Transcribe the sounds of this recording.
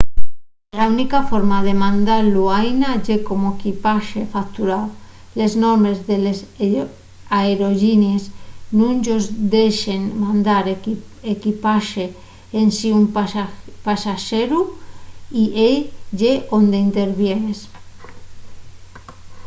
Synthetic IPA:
launikafoɾmaðemãnd̪aɾluajnaʝekomoekipaʃefakt̪uɾaw | leznoɾmezðeles | aeɾoʒiniesnũnd͡ʒozd̪eʃenmãnd̪aɾekipaʃeː | nsium | pasaʃeɾu | iʔeʝeʔond̪eint̪eɾβjenes

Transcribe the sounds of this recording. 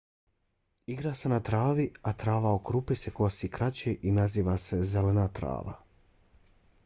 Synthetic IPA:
iɡɾaːsenat̪ɾaːʋiat̪ɾaːʋaokɾupeseko̞siːkɾat͡ɕeːʔinaziːʋase̞zelenaːt̪ɾa̰ːʋa̰

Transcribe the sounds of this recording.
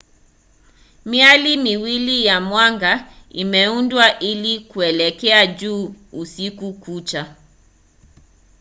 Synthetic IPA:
mialimiwilijamwaŋɡaimɛundwaʔilikuɛlɛkɛad͡ʒuː | sikukut͡ʃa

